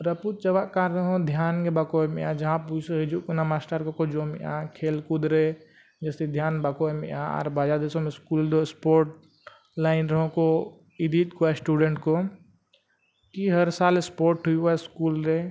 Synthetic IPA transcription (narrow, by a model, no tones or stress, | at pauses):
ɾəput̪̚t͡ʃɐʋakaɾɐɦõd̪ʱjaːnkebakomead͡ʒɐɦãpusoɦɪd͡ʒuknamaːsʈaɾkokod͡ʒoːmia̰kʰeːlkʊd̪ɾe | d͡ʒesid̪ʱjaːnbakomḛãɔ̰ːɾbaːd͡ʒad̪esõmeskuːld̪oɪspoːɾʈ | laːɪnɾɐɦõko | ɪd̪it̪koasʈuːɖẽɳʈko | kiɦəɾsaːlɪspoːɾʈɦuiʋaɪskuːlɾe